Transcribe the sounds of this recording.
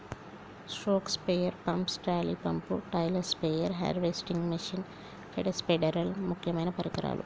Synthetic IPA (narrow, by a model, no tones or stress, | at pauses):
sʈoːkspejɐɾpɐmpsʈaːlipɐmpuʈɐjlɐɾspeːjɐɾɦɐ̰ɾʋeːsʈiŋɡmiʂin | feɖɐspeɖɐɾɐlmukʰjɐmɐjnɐpɐɾikɐɾa̰ːlʔṵ